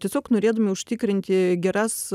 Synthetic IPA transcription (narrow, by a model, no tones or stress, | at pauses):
t̪ʲiɛsʲoːknoːɾʲeːd̪ɐmʲɪʊʃʲt̪ʲɪkɾʲɪnʲt̪ʲɪɡʲɛɾɐs